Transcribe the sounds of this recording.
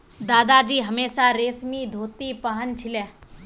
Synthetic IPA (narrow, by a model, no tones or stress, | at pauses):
d̪aːd̪ad͡ʒiːɦɐmeːsaɾeːsmid̪ʱoːt̪ipɐɦənt͡ʃʰɪleː